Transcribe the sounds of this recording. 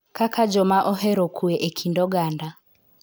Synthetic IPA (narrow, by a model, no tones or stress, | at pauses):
kakʰad͡ʒɔmaʔɔɦɛɾɔkʰuɛʔɛkʰindɔɡanda